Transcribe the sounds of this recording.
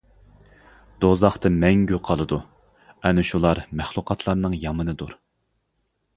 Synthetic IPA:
d̪ozɑχt̪ɨmɛŋɡʲyqʰɑlˠɨd̪u | ɛnɪʃulˠɑɾmæχlˠuqʰɑt̪ʰlˠɑɾnɨŋjɑmɨnɨd̪uɾ

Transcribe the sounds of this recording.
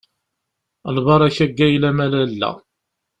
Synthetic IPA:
əlvɑɾˤæçæɡːæjlæmælælːæ̰

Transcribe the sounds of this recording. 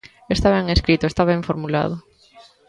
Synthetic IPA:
est̪aβɛŋeskɾit̪ʊest̪aβɛ̃ɱfoɾmula̰ð̞ʊ

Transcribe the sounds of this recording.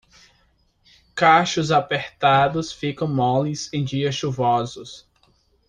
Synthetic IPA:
kaʃʊzapeɾt̪ad̪ʊsfikɐ̃w̃mɔlizẽj̃d͡ʒiɐsʃuvɔzʊs

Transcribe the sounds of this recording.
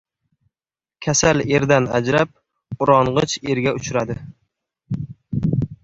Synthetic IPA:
kʲʰasale̞ɾd̪ana̰d͡ʒɾap̚ | ʊɾɒɴʁɨt͡ʃe̞ɾɡʲaʊt͡ʃʰɾad̪ɪ

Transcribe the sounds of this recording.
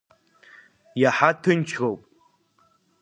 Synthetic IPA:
jaħatʰɨnt͡ʃʰɣowpʼ

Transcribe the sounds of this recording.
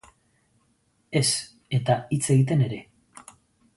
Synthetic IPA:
e̞s | e̞t̪ait͡se̞ɣit̪̬e̞ne̞ɾe̞

